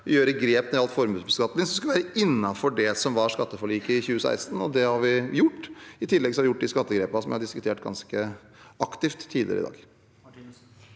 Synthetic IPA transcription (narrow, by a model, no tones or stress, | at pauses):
jøːɾəɡɾeːpnɛɑlt̪fɔɾmʉːsbəskɑt̪ːəɪŋsɔmsklʋæːɾəʔɪnːɑfɔɖɛsɔmʋɑɾʂkɑt̪ːəfɔɭiːkəɪçʉːəsæ̰ɪst̪n̩ɔd̪ɛhɑɾʋɪjʊʈːɪt̪ʰɪlːɛɡsɔhɑʋɪjʊʈ̚ːd̪ɪskɑt̪ːəɡɾeːpɑsɔmʋɪ̰hɑɖɪskʉ̥t̪ʰeːʈɡɑ̰nskə | ʔɑkt̪ɪft̪ʰːiːd̪ɪ̰ɾəɪ̰d̪ɑ̰ːɡ